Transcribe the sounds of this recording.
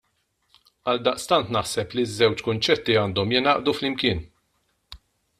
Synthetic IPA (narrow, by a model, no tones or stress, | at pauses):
ɐld̪ɐʔst̪ɐnt̪nɐħsɛplizːɛwt͡ʃkʊnt͡ʃɛt̪ːiɐːnd̪ɔmjɪnɐːʔd̪uflɪmkɪːn